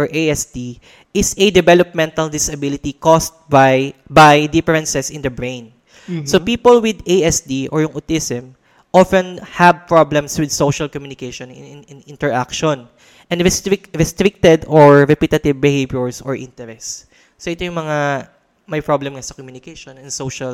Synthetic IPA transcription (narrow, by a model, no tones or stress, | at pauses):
ɔɹʔejɛsd̪i | ʔɪsɛd̪ɛvɛlɔp̚mɛ̃nt̪ɐld̪ɪsɐbɪlɪt̪ikɔst̪̚bajbajd̪ɪfɹɛ̃nsɛsɪ̃nd̪ɐbɹẽjn | sopiːpolwɪd̪ejɛsd̪iʔɔɹjʊŋʔot̪isɛm | ʔɔfɛ̃nhɐb̚pɹɔblɛ̃mswɪd̪̚sowʃɐlkɔmjunɪkeʃɔnɪ̰nɪnɪnɪ̃nt̪ɛɹʔakʃɔn | ʔɛnɾɛst̪ɾɪkɹɛst̪ɾɪk̚t̪ɛd̪ɔɹɹɛpɪt̪ɐt̪ɪvbɪhevjʊɹsɔɹʔɪ̰̃nt̪ɛɾɛsː | oʔɪt̪ojʊŋmɐŋa | mɐjpɹablɛmŋasɐkɔmjunɪkeʃɔ̃nɛnsowʃɐl